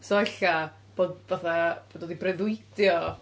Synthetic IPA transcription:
soɛɬa | b̥oːd̚vaθab̥oːdoːdibrɛðʊɨd̥jɔ

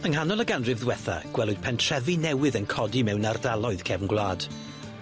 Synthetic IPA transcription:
əŋɦanɔlˠəɡanrɪvðwɛθa̰ɡ̥wɛlˠʊd̥̚pʰɛntʰr̥ɛvinɛwɪðənkʰɔdimɛwnardalˠɔɨð̥kʰɛvnɡlˠaːd̥

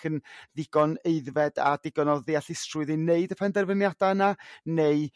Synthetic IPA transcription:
kʰənðɪɡ̥ɔneɨðvɛda̰d̥ɪɡɔnɔðɪaɬɪstrʊɨðineɨdəpʰɛndɛrvənjadananeɨ

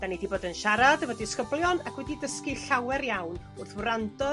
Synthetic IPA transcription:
d̥anidiboːdənʃaɾadəvɔdɪskəblˠjɔnakʰwɛdidəskiɬawɛɾjawn | ʊrθwɾandɔ

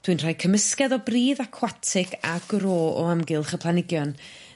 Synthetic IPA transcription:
d̥wɨnr̥ajkʰəməskɛðɔbriːðakʰwatʰɪɡaɡ̥ɾoːɔ̰amɡɪlˠχəpʰlˠanɪɡjɔn

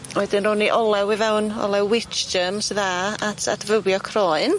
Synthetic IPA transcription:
wɛdɪnrʊniʔɔlˠɛwivɛwnɔ̰lˠɛwːɪt͡ʃd͡ʒəmsðaːatʰa̰tvəwjɔkʰrɔːɨn

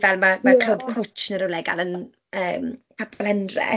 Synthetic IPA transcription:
vɛlˠmamakʰl̥obkʰʊt͡ʃnəɾʊwlɛɡa̰lˠən | əːmpʰapʰɔlˠhɛndrɛ̰

